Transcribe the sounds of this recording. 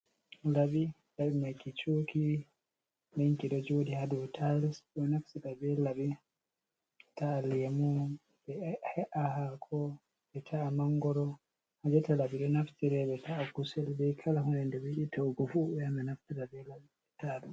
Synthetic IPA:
laɓi | laɓimajkit͡ʃuki | naŋkiɗɔd͡ʒodihadutʰalisɛnaftiɾabɛlabi | taːlmu | bɛhɛʔahakʰɔ | ɓɛtʰaːmaŋɡɔɾɔ | had͡ʒɛtalaɓiɗɔnaftiɾɛbɛtʰaːkusɛlbɛkʰalahunɛndɛwiɗitʰɔɡɔfuɓɛamɛnaftiɾabɛlabiɛtaɗu

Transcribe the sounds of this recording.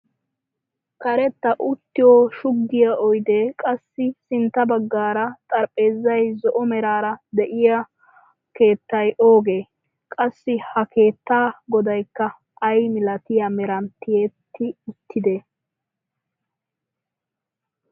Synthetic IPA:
kɐɾɛt̪ːɐʔʊt̪ːɪjoːʃʊɡːɪjɐʔɔjd̪eːkʼɐsːɪsɪnt̪ːɐbɐɡːaːɾɐt̪ʼɐɾpʼːe̞ːzːɐjzɔʔɔmɛɾaːɾɐd̪ɛʔɪjɐ | ke̞ːt̪ːɐjʔo̞ːɡe̞ː | kʼɐsːɪhɐkʰe̞ːt̪ːaːɡɔd̪ɐjkːɐ | ʔɐjmɪlɐt̪ɪjɐmɛɾɐnt̪ːɪjeːt̪ːɪʊt̪ːɪd̪eː

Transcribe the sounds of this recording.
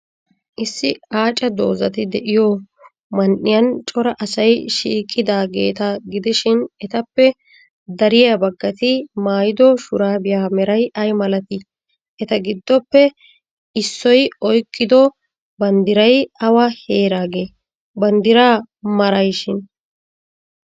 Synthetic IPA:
ʔɪsːɪaːt͡ʃʼɐd̪o̞̰ːzɐt̪ɪd̪ɛʔɪjɔ | mɐnʔɪjɐnt͡ʃʼɔɾɐʔɐsɐjʃḭːkʼːɪd̪aːɡe̞̰ːt̪ɐɡɪd̪ɪʃɪnɛt̪ɐpːɛ | d̪ɐɾɪjɐbɐɡːɐt̪ɪmaːjɪd̪ɔʃʊɾaːbɪjaːmɛɾɐjʔɐjmɐlɐt̪ɪ | ʔɛt̪ɐɡɪd̪ːɔpːɛ | ɪsːɔjɔjkʼːɪd̪ɔ | bɐnd̪ɪɾɐjɐwɐhe̞ːɾaːɡeː | bɐnd̪ɪɾaː | mɐɾɐjʃɪn

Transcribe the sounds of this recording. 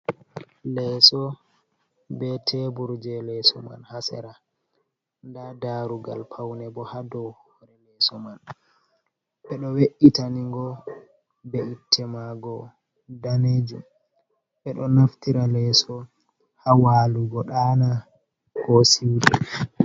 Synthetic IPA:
lɛsɔ | bɛtʰɛbuɾd͡ʒɛlɛsɔ̰ma̰nhasɛ̰ɾa | ndadaɾuɡa̰lpʰawnɛbɔhadɔwɔɾɛlɛsɔman | ɓɛɗɔweʔitaniŋɡɔ | bɛʔitʰːɛmaɡɔ | daned͡ʒum | ɓɛɗɔnaftiɾalɛsɔ | hawaːluɡɔɗana | kɔsiwɗɛ

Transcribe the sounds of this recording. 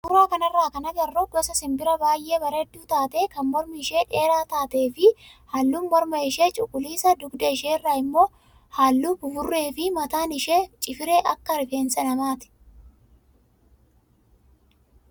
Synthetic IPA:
ʔʊɾaːkɐnɐrːaːkɐnɐɡɐrːɔɡɔsɐsɪmbɪɾɐbaːjʔe̞ːbɐɾeːd̪ːuːt̪aːt̪eːkɐnmɔɾmɪɪʃe̞ːᶑe̞ːɾaːt̪aːt̪e̞ːfɪhaːlːuːnmɔɾmɐɪʃe̞ːt͡ʃʼʊkʼːʊliːsɐd̪ʊɡd̪ɐɪʃeːrːaːɪmːo̞ː | haːlːuːbʊfʊrːe̞ːfɪmɐt̪aːnɪʃeːt͡ʃʼɪfɪɾeːʔɐkːɐɾɪfeːnsɐnɐmaːt̪ɪ̥

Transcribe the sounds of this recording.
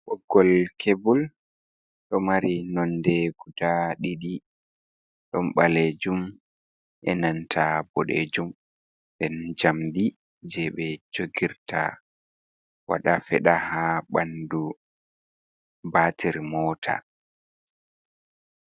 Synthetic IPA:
ɓɔɡːɔlkʰebul | ɗɔmaɾinɔndɛɡ̥udaɗiɗi | ɗɔmɓaled͡ʒum | ʔɛnantʰabɔɗḛd͡ʒum | ɗɛnd͡ʒamdi | d͡ʒɛɓɛd͡ʒoɡiɾta̰ | wa̰ɗafɛ̰ɗahaɓandu | batʰiɾmɔːtʰa̰

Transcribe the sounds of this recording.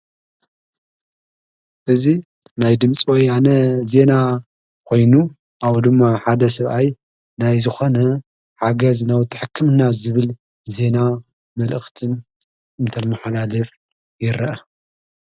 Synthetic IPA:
ʔɨzi | najd̪ɨmt͡sʼiwɔjanɐze̞na | kʰo̞jnu | ʔawd̪ɨmːaħad̪ɐsɐβʔaj | najzɨxo̞nɐ | ħaɡɐznawt̪ʰɨ̥ħɨkʰːɨmnazɨβɨl | ze̞na | mɐlʔɨxt̪ʰɨn | ɨnt̪ʰɐmaħalalɨf | jɪɾɐʔɐ

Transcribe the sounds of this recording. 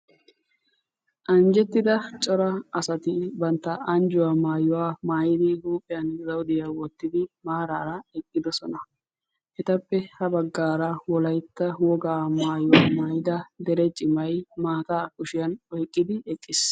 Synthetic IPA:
ʔɐnd͡ʒɛt̪ːɪd̪ɐt͡ʃʼɔɾɐɐsɐt̪ɪbɐnt̪ːɐɐnd͡ʒʊwaːmaːjʊwaːmaːjɪd̪ɪɡuːpʼːɪjɐnzɐwd̪ɪjawɔt̪ːɪd̪ɪmaːɾaːɾɐɛkʼːɪd̪ɔsɔnɐ | ʔɛt̪ɐpːɛhɐbɐɡːaːɾɐwɔlɐjt̪ːɐwɔɡaːmaːjʊwaːmaːjɪd̪ɐd̪ɛɾɛt͡ʃʼɪmɐjmaːt̪aːkʊʃɪjɐnɔjkʼːɪd̪ɪɛkʼːɪs

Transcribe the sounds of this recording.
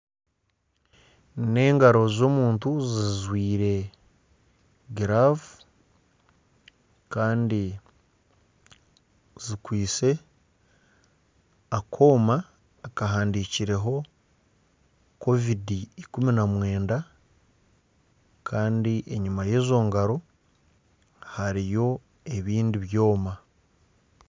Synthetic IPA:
ne̞ːŋɡaɾo̞zo̞muːntuzizwiːɾe̞ | ɡiɾavu | kaːndi | zikwiːse̞ | akʰo̞ːmaː | kaɦaːndiciɾe̞ɦo̞ | ko̞vidiikuminamwe̞ːnda | kʰaːndiʔe̞ɲumaje̞ːzo̞ːŋɡaɾo̞ | haɾijo̞ | e̞βiːndiβjo̞ːma

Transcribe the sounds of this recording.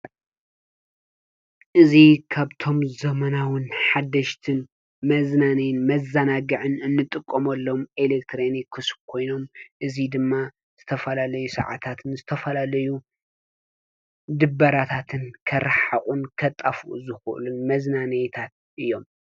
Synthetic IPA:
ʔɨzikʰaβt̪ʰo̞mzɐmɐnawɨnħad̪ːɐʃt̪ʰɨn | mɐznanɐjnmɐzːɐnaɡɨʕɨnɨnːɨt̪ʼɨkʼːomɐlːomelek̚t̪ʰɾeonikʰːɨsbkʰo̞jno̞mʔɨzid̪ɨmːa | z̥ɨt̪ʰɐfɐlalɐjusɐ̰ʕa̰t̪ʰat̪ʰɨnzɨt̪ʰɐfɐlalɐju | d̪ɨbːɐɾat̪ʰat̪ʰɨnkʰɐɾaħaχʼunkʰɐt̪ʼːafuʔṵzɨxʔɨ̰lunmɐznanɐjt̪ʰat̪̚ | ʔɨjːo̞m

